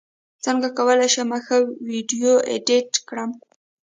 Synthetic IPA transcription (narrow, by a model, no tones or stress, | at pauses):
t͡səŋɡakawəlajʃemaxawiɖijoʔḛɖɪʈkɽəm